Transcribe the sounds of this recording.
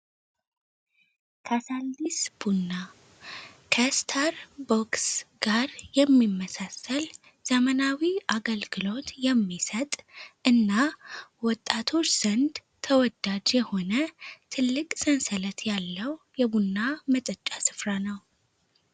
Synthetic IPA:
kʰasald̪isb̥unːa | kʰəst̪ʰaɾboksɡ̥aɾjɛmːimːəsasəl | z̥əmənawiʔaɡəlɡɨlo̞t̪jɛmːisət̪ʼʔɨnːawɔt̪ʼːat̪ʰo̞t͡ʃʼːz̥ənd̪ | t̪ʰəwɔd̪ad͡ʒjɛho̞nət̪ʰɨlːɨkʼsənsələt̪jalːəwjɛbunːamət̪ʼət͡ʃʼːasɨ̥fɾanəw

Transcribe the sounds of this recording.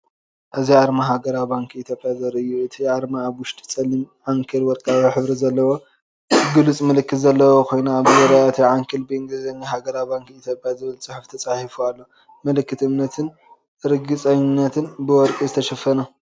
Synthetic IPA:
ʔɨziʕaɾmaɦaɡɐɾawibaŋkʰit̪ʰjopʼjazɐɾɨjːuɨt̪ʰiʕaɾmaːβwʊʃt̪ʼi̥t͡sʼɐlimʕaŋkʰɨlwɔɾkʼaaħɨβɾizɐlːɐwo | ɡɨlut͡sʼmɐlɨkːɨt̪zɐlːɐwokʰo̞jnaβɨzɐɾajat̪ʰiʕaŋkʰɨlbɨɨŋɡɨzɐɲːaɦaɡɐɾawbaŋkit̪ʰjopʼjazɨβɨlt͡sʼɨħuft̪ʰɐt͡sʼaħifualːo̞ | mɐlɨkːɨt̪ɨmnɐt̪ʰɨn | ʔɨɾɡɨt͡sʼɐɲːinːɐt̪ʰɨnbɨwɔɾkʼizɨt̪ʰɐʃɐfɐnɐ

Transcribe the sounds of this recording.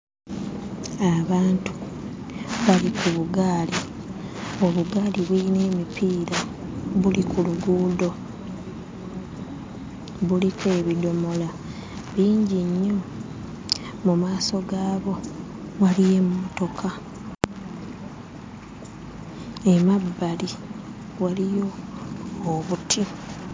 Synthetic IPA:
aβaːntu̥ | βalikʰuβuɡaːli | o̞βuɡaːliβwiine̞ːmipʰiːɾaβulikʰuluɡuːdo̞ | βulikeːβido̞mo̞la | βiːɲɟiɲːo | mumaːso̞ɡaːβo̞ | walije̞moto̞kʰa | emabːali | walijo̞ː | βutʰi

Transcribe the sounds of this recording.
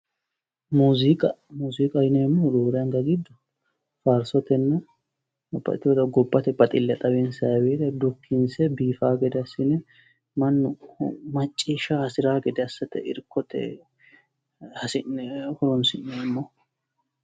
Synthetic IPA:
muːzɪkʼɐmuːzikʼɐjɪnɛmːɔd̪oːɾɛɐŋɡɐɡɪd̪ːɐ | faːɾsɔt̪ɛnːɐ | bɐ̰t̪ːɪwɔd̪ɐɡɔbːɐt̪ɛbɐt̪ʼɪlːɛt̪ʼɐbensɐweːd̪ɐd̪ʊkʰːɪnsɛbiːfaːɡɛd̪ɛɐsɪnɛ | mɐnːʊmɐt͡ʃʼːiːʃaɐsɪɾaːɡɛd̪ɛɐsːɐt̪ɛɪɾkʰːɔt̪ʰɛ̰ | hɐsɪnhɔɾɔnsɪnːɛmːɔ

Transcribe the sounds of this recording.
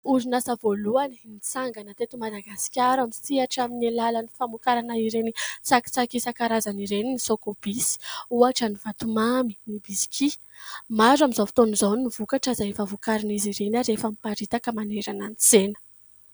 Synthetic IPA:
uɾinasəvoluani̥nit͡saŋɡanət̪et̪umad̪aɡasi̥kʲaɾamisiaʈ͡ʂaminelalanifamukaɾanaiɾenit͡saki̥t͡sakisakaɾazaniɾeninisokob̥isi̥uaʈ͡ʂəniv̥at̪umaminibizi̥kʰi | maɾaminzofi̥t̪onizowniv̥ukaʈ͡ʂəzaefavukaɾiniziɾenaɾefamipaɾit̪akəmaneɾananit͡senə̥

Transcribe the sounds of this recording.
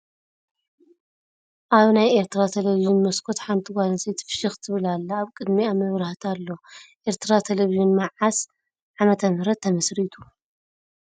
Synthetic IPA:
ʔaβnajeɾt̪ʰɾat̪ʰeleviʒinmɐskʰo̞t̪ħant̪ʰiɡʷalɐsejt̪ʰfɨ̥ʃɨxt̪ʰɨβɨlalːaːβkʼɨd̪miamɐβɾaht̪ʰalːo̞ʔeɾt̪ʰɨɾat̪ʰeleviʒinmaʕas | ʕamɐt̪ʰɐmhɨɾɐt̪ʰːɐmɐsɾit̪ʰu̥

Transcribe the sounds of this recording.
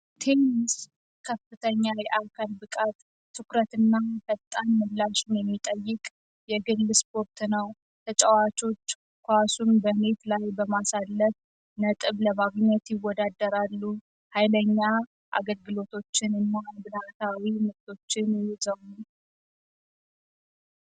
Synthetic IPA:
t̪ʰenis | kʰəfɨt̪ʰəɲːawjɛʔakʰalbɨkʼat̪ʰː | ɨkɾət̪ɨnːafət̪ʼːanmɨlːaʃnjɛmːit̪ʼəjːɨkʼ | jɛɡɨlːɨspʰo̞ɾt̪nəw | t̪ʰət͡ʃʼɛwat͡ʃo̞t͡ʃː | kʰʷasunbəne̞t̪lajbəmasalːəf | nət̪ʼɨβləmaɡɲːɛt̪jɪwɔd̪ad̪ːəɾalːu | hajləɲːa | ʔa̰ɡəlɡɨlo̞t̪ʰo̞t͡ʃːɪnɨnːabɨd̪at̪ʰawiməkt̪ʰo̞t͡ʃːɪnjhɪzəw

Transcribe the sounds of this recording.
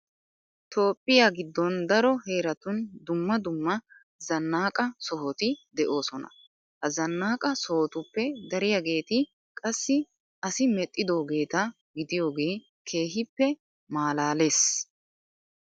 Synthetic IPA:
t̪o̞ːpʼːɪjaːɡɪd̪ːɔnd̪ɐɾɔhe̞ːɾɐt̪ʊnd̪ʊmːɐd̪ʊmːɐ | zɐnːaːkʼɐsɔɦɔt̪ɪd̪ɛʔo̞ːsɔnɐ̰ | hɐzɐnːaːkʼɐsɔhɔt̪ʊpːɛd̪ɐɾɪjaɡe̞ːt̪ɪ | kʼɐsːɪ | ɐsɪmɛt̪ʼːɪd̪o̞ːɡe̞ːt̪ɐ | ɡɪd̪ɪjo̞ːɡe̞ː | kʰe̞ːɦɪpːɛ | maːlaːle̞ːs

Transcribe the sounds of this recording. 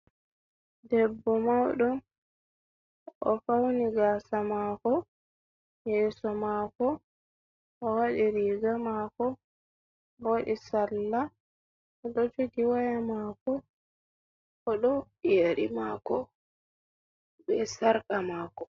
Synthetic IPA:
dɛbːɔmawɗɔ | ʔɔfawniɡasamaːkɔ | jɛːsɔmaːkɔ | ʔɔwaɗiɾiɡamakɔ | boɗisalːa | ɔɗɔd͡ʒoɡiwajamaːkɔ | ɔɗɔ | jeɗimaːkɔ | bɛsaɾkamaːkɔ

